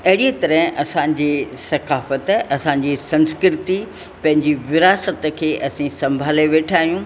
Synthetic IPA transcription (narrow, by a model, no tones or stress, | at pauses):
ɐɦɪɽiet̪ɐɾəɦɐsãɲd͡ʑisɐkaːfət̪ɐsãːɲ̆d͡ʑisɐ̃nskɾɪt̪i | pɐ̃ɦɪ̃ɲd͡ʑiʋɪɾaːsət̪ə̆kʰeːʔɐsĩsɐ̃mbʱaːleʋeːʈʰaːɦijũ